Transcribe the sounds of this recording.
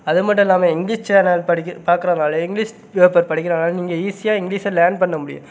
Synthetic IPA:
ɐðɯmɐʈːʊ̃ɛlːaːmeɪŋɡliːʂt͡ʃaːnɐlɐɽɪkːpaːɾkɪɾɐnaːlɐɪŋɡliːʂ | peːpɐɾpɐɽɪkːɪɾɐnaːlniːŋɡɐiːsɪjaːɪŋɡɭiːsɐlaːɳɖ̚pɐɳːɐmʊɽɪ̰jʊ̰̃

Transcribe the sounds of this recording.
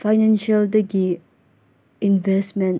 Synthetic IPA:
faɪnɛ̃nʃəldəɡi | ĩnvɛsmɛ̃n

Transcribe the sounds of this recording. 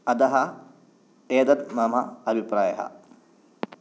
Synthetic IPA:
ɐd̪ɐɦɐ | eːd̪ɐt̪mɐmɐɐbʱipɾaːjɐ̰ɦɐ̰

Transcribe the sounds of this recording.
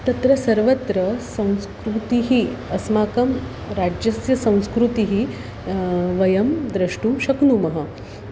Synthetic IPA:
t̪ɐt̪ɾɐsɐɾʋɐt̪ɾɐsɐ̃w̃skɾut̪iɦiɐsmaːkɐm | ɾad͡ʑjɐsjɐsɐ̃w̃skɾut̪iɦi | ʋɐjɐmd̪ɾɐʂʈumʃɐknumɐɦɐ

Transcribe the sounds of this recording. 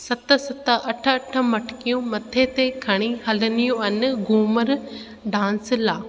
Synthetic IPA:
sɐt̪sɐt̪əʔɐʈʰəɐʈʰəmɐʈʰkijũmɐt̪ʰet̪ekʰɐɽ̃iɦɐlənijũɐnɡuːməɾ | ɖãːnslaː

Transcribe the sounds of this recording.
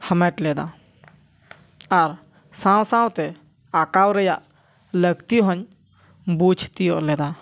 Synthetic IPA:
həmɛʈlɛːd̪a | aɾ | sãwsãwt̪ɛ | akawɾəjaʔ | ləɡt̪iɦɔɲ | bud͡ʒʰʱt̪ijolɛd̪a

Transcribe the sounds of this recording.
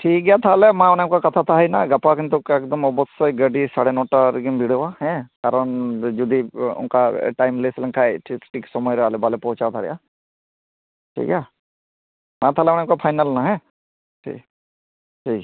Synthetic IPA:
ʈʰiːk̚ɡejat̪ʰaːlemãʊnemkakɐt̪ʰat̪ʰaɦɐinaɡɐpakənt̪̬okekd̪əmɔbɔt̪sɔɡəɖisaɽenɔːʈaɾɡimbʱiɽoʋaɦɛ̃kaːɾəɳd͡ʒʊd̪ʱiʊ̰nkaʈaːjmleslə̃ŋkʰaeʈʰikʈiːksɔmɔjɾəalebalepɔɦʊt͡ʃat̪ʰaɾɛ̰ja | ʈʰḭːkja | mãt̪ʰaːleʊnekapʰaːjnəlnaɦɛ̃ | ʈʰḭː | ʈʰiːk

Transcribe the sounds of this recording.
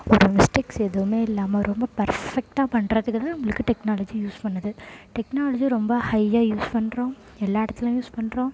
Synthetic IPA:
ɔɾɯmɪsʈɪksɛðɯʋɯmeːɪlːaːmɐɾʔɔmbɐpɐɾfɛk̚ʈaːpɐɳɾɐðɯkːɯt̪ãaːnɐmːɐɭɯkːɯʈɛknaːlɐd͡ʒijuːspɐɳːɐðɯʈɛknaːlɐd͡ʒiɾɔmbɐhɐɪːaːjuːspɐɳːɾõː | ɛlːaːɪɽɐt̪ːɪlɐ̃ːjuːspɐɳɾõː

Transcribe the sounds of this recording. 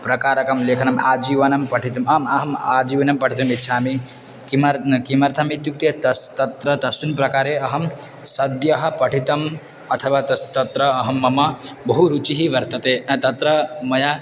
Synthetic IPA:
pɾɐkaːɾɐkɐmlekʰɐnɐmad͡ʒiʋɐnɐmpɐʈʰit̪ɐmɐmɐɦɐmad͡ʒiʋɐnɐmpɐʈʰit̪ɐmit̪ːt͡ʃʰami | kimɐɾkimɐɾt̪ʰɐmit̪juk̚t̪et̪ɐst̪ɐt̪ɾɐt̪ɐsunpɾɐkaːɾeɐɦɐm | sɐd̪jɐɦɐ̆pɐʈʰit̪ɐm | ɐt̪ʰɐʋat̪ɐt̪ɐt̪ɾɐːɦɐmːɐmɐbɐɦuɾut͡ʃiɦiʋɐɾt̪ɐt̪ẽt̪ɐt̪ɾɐmɐja

